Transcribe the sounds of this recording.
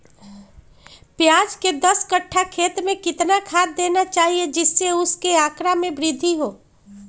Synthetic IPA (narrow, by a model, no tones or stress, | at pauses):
pjaːd͡ʒked̪ɐskɐʈʰːakʰeːt̪ɾmẽkɪt̪nakʰaːt̪̚d̪eːnat͡ʃaːɦied͡ʒɪsːeʊskeaːkɾamẽbɾɪd̪ʱːiɦoː